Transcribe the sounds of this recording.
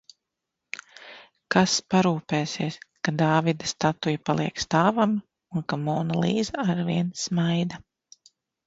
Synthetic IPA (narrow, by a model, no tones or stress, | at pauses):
kaspaɾuːpeːsiɛskad̪aːvid̪ɐst̪at̪ujapalˠiɛkst̪aːvam | unkamɔːnalˠiːzaaɾviɛnsmajd̪a